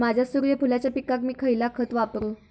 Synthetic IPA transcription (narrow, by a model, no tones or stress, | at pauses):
mad͡ʑʱasuɾʋepʰulat͡ɕjapikakmiːkʰəjlakʰət̪ʋapɾu